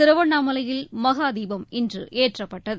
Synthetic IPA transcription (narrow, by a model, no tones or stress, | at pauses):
t̪ɪɾɯʋɐɳːaːmɐlɐjɪlmɐɣaːd̪iːbɐmɪndrɯ̰ʔeːʈrɐpːɐʈːɐðɯ